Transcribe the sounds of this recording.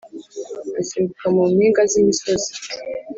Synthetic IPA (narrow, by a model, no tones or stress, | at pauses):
asimbukamumiːŋɡazimisozi̥